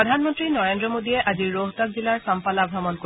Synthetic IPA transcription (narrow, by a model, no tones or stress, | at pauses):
ɔdʱanmɔntɹinɔɹendɹɔmodijɛʔaziɹːoɦtak̚zilaɹsampalabʱɹɔmɔnko